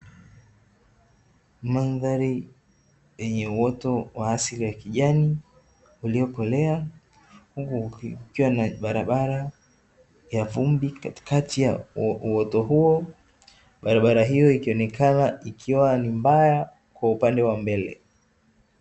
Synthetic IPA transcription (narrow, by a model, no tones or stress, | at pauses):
manðaɾi | jɛɲɛuwɔtɔwaːsiliwakiʄani | uliɔkɔlɛa | hukukiwanaɓaɾaɓaɾa | javumbikati̥katijauwɔtɔɦuɔ | ɓaɾaɓaɾaɦijɔikiɔnɛkʰanaikʰiwanimbaja | kwaupandɛwambɛlɛ̰